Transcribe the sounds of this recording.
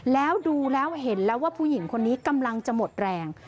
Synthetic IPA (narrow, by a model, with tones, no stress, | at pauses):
lɛː˦˥wduː˧lɛː˦˥wɦe˨˩˦nlɛː˦˥waː˥˩pʰuː˥˩ji˩˦ŋkʰo˧nːiː˦˥ka˧mla˧ŋt͡ɕa˨˩mo˨˩t̪̚ɾɛː˧ŋ